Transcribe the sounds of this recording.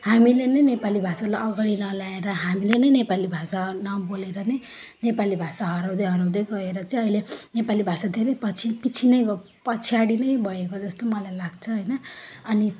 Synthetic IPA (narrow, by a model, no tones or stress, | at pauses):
hamilenʌjnepalibʱasalajʔʌɡaɽinʌlaeɾʌɦamilenʌjnepalibʱasanʌboleɾʌnʌj | nepalibʱasaɦʌɾawd̪ʌjɦʌɾawd̪ʌjɡʌeɾʌt͡saĩʌilenepalibʱasad̪ʱeɾʌjpʌt͡sʰipit͡sʰinʌjɡ | pʌt͡sʰiaɽinʌjbʱʌekod͡zʌst̪omʌlajlaɡt͡sʰʌɦʌjnʌʌni